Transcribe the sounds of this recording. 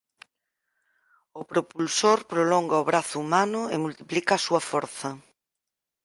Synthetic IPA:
ʊpɾopulsoɾpɾolɔŋɡɐoβɾaθʊumanʊemult̪i̥plikɐːsuɐfɔɾθɐ

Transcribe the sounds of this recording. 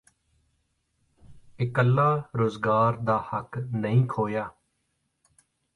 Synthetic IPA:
ɪkəlːaːɾoːzɡaːɾd̪aːhəknəɦĩːkʰoːjaː

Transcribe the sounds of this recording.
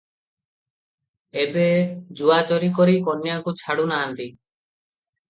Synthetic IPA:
ebed͡ʒuat͡ʃɔɾikɔɾikɔnjakut͡ʃʰaɽunaɦant̪i

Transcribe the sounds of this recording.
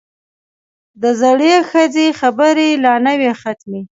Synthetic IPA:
d̪əzaɽexəd͡zexabəɾelɑnəwexat̪me

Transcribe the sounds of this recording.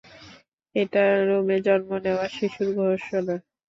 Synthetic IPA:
eʈaɾomed͡ʑɔnmoneoaʃiʃuɾɡʱɔʃola

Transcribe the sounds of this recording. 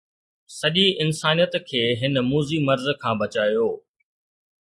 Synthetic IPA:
sɐʄiɪnsaːnijət̪kʰeːɦɪnmuːzimɐɾzkʰãːbɐt͡ɕaːijoː

